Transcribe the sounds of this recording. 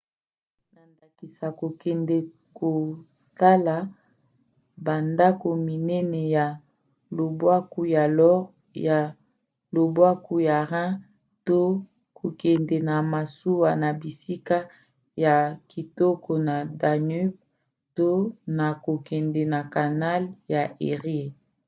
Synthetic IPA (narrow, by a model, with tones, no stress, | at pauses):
na˨nda˨ki˨sa˨ko˨kɛ˨ndɛ˨ | ko˨ | ta˦la˨ | ba˨nda˦ko˨mi˨nɛ˦nɛ˨ja˨ | lo˨bwa˦ku˦ja˨lɔ˦ʁ | ja˨ | lo˨bwa˦ku˦ja˨ʁã˦ | to˦ | kʰo˨kɛ˨ndɛ˨na˨ma˨su˦wa˨na˨bi˨si˦ka˦ | ja˨ki˨tɔ˦kʰɔ˨na˨da˨ny˦b̚ | to˦na˨ko˨kɛ˨ndɛ˨na˨ka˨na˦lja˨ʔe˨ʁje˨